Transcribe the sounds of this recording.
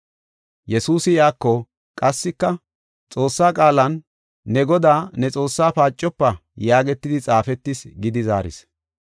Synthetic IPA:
jɛsuːsɪjaːkːɔ | kʼɐsːɪkːɐ | t͡sʼo̞ːsːaːkʼaːlɐnː | ɛɡɔd̪aːnɛt͡sʼo̞ːsːaːpaːt͡ʃʼːɔpːɐjaːɡɛt̪ːɪd̪ɪt͡sʼaːfɛt̪ːɪsɡɪd̪ɪza̰ːɾɪ̰s

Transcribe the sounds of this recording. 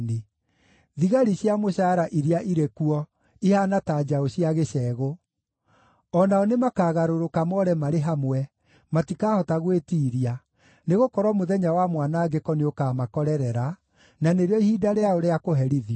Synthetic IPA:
ne | ðiɣaɾiɕjamoɕaːɾaʔiɾiaʔiɾekuɔ | ihanataːd͡ʒaoɕiaɣeɕɛːɣo | ɔnaɔnemakaːɣaɾoɾokamɔɾɛmaɾeɦamwɛ | matikaːhɔtaɣwetiːɾia | neɣokɔɾwɔmoðɛɲawamwanaːɡekɔneokamakɔɾɛɾɛɾa | naneɾeɔihidaɾeaoɾeakoɦɛɾiðiɔ

